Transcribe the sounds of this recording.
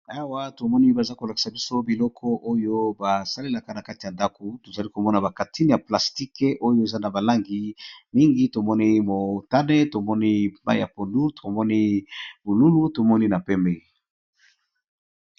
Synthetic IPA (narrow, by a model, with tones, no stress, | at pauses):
a˦wa˦to˨mɔ˦ni˦ba˨za˦ko˨la˨ki̥˨sa˨bi˦so˦bi˨lɔ˦kʰɔ˦ʔo˦jo˦ba˨sa˦le˦la˨ka˦na˨ka˦ti˨ja˨nda˦ko˨to˨za˨li˦ko˨mɔ˦na˨ba˨ka˨tʰi˦n˨ja˨pla˨sti˦ke˦ʔo˦jo˦e˨za˦na˨ba˨la˦ŋɡi˦mi˦ŋɡi˦to˨mɔ˦ni˦mo˨ta˦ne˦to˨mɔ˦ni˦ba˦jja̰˨po˨ndu˦tʰo˨mɔ˦ni˦bo˨lu˦lu˦to˨mɔ˦ni˦na˨pɛ˦mbɛ˦